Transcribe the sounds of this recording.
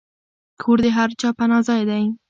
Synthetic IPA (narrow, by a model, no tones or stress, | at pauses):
kʰoɾd̪eɦaɾt͡ʃɑpanɑzɑjed̪ai